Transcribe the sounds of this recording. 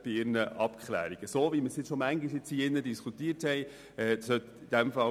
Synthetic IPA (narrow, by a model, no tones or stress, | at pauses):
b̥iɪɾnəʔɑpkʰχlæ̰ːɾiɡ̥əsoːviməsjɪt͡sʃɔmæŋɡiʃjɪt͡siɪnːədiskʰut̪iəthɛɪ | ɛːsœt̪id̥ɛmfɑ